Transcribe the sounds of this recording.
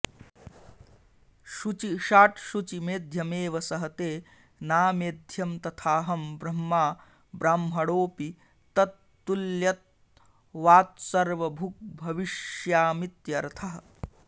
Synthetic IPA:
ʃut͡ʃiʃaːʈʃut͡ʃimeːd̪ʱjɐmeːʋɐsɐɦɐt̪eː | naːmeːd̪ʱjɐmt̪ɐt̪ʰaːɦɐmbɾɐmːaː | bɾaːmɦɐɽoːpi | t̪ɐt̪ːuljɐt̪̚ | ʋaːt̪̚sɐɾʋɐbʱuk̚bʱɐʋiʃjaːmit̪jɐɾt̪ʰɐɦɐ

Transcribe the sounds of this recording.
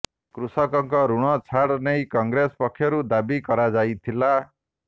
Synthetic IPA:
kɾusʌkɔŋkɔɾuɽ̃ɔt͡sʰaɽnejkɔŋɡɾespɔkʰːjɔɾud̪abikʌɾad͡zajt̪ʰila

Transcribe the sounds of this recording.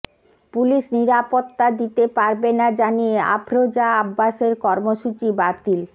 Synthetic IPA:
puliʃniɾapot̪ːad̪it̪epaɾbenad͡ʑaniea̰bʱɾod͡ʑaabːaʃeɾkɔɾmoʃut͡ɕibat̪il

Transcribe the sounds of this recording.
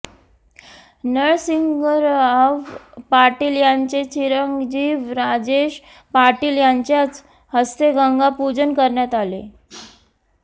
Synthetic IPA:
nəɭsiŋɡəɾaʋpaɾʈiːljaɲt͡set͡ɕʰiɾəŋɡd͡ʑiːʋɾad͡ʑeɕ | paɾʈiːljaɲt͡ɕjat͡s | həst̪eɡəŋɡapud͡ʑənkəɾɳjat̪alḛ

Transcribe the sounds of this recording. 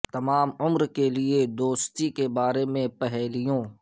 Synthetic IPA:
t̪ɐmaːmʊmɾkelied̪oːst̪ikebaːɾemẽpɛɦɛːlijõː

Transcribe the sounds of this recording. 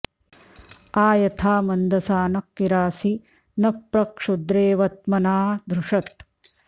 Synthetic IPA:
aːjɐt̪ʰaːmɐnd̪ɐsaːnɐkːiɾaːsi | nɐpɾɐkʂud̪ɾeːʋɐt̪̚mɐnaːd̪ʱɾuʂɐt̪̚

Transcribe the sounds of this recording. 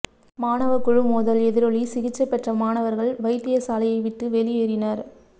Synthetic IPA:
maːnɐʋɐkːʊɻɯmuːðɐlɛðɪɾɔɭisɪɣɪt͡ʃːɐpːɛʈrɐmaːnɐʋɐɾɣɐɭʋɐɪʈ̪ːɪjɐsaːlɐjɐɪʋɪʈːɯʋɛlɪjeːɾɪnɐɾ

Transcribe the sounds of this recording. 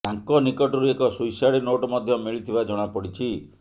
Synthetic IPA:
t̪aŋkɔnikɔʈɔɾuekɔsujsaɽinoʈɔmɔd̪ʱjɔmiɭit̪ʰibad͡ʒɔɽ̃apɔɽit͡ʃʰi

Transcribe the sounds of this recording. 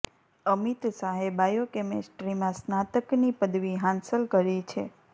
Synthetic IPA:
əmit̪saɦebajokemesʈɾimãsnat̪əknipəd̪ʋiɦãnsəlkəɾit͡ʃʰe

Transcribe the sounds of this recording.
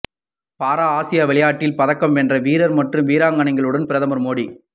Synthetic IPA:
paːɾaːaːsɪjaːʋɪɭɐjaːʈːɪlpɐðɐkːɐmɛndrɐʋiːɾɐɾmɐʈrɯmʋiːɾaːŋɡɐɳɐŋɡɐɭɯɽɐnpɪɾɐðɐmɐɾmoːɽi

